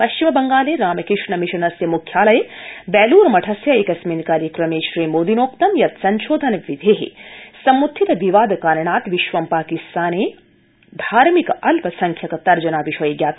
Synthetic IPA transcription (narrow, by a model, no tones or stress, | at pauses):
pɐʃt͡ʃimɐbɐŋɡaːleːɾaːmɐkɾɪʂɳɐmiʃɐnɐsjɐmukʰjaːlɐjbɛːluːɾmɐʈʰɐsjɐekɐsmiːnkaːɾjɐkɾɐmeːʃɾiːmoːd̪inoːkt̪ɐmjɐt̪sɐɲʃoːd̪ʱɐnʋid̪ʱeːɦḛsɐmːud̪ʰʱit̪ɐʋiʋaːd̪kaːɾɳaːt̪ʋiʃʋɐmpaːkist̪aːneː | d̪ʱaːɾmikʔɐlpɐsɐŋkʰjɐkɐt̪ɐɾd͡ʒɐnaːʋiʃʋɐjɡjaːt̪